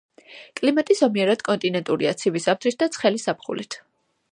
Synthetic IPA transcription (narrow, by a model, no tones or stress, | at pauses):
kʼlimat̪ʼizɔmiɛɾad̪̥kʼɔnt̪ʼinɛnt̪ʼuɾiat̪sʰibisap̚t̪ʰɾit̪̚ʰd̪at̪sʰχɛlisapʰχṵlḭt̪ʰ